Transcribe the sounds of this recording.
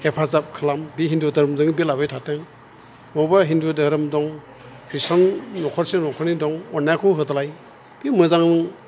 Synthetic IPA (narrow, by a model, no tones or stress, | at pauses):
hepʰazap̚kʰɯlambiɦindudɯɾɯmdɯŋbilabɯjtʰatɯŋ | mɔwbaɦindudɯɾɯmdɔŋ | pʰisanːɔkʰɔɾsenɔkʰɯnidɔŋɔnːakʰuɦɯtalaj | b̥imɯzaŋ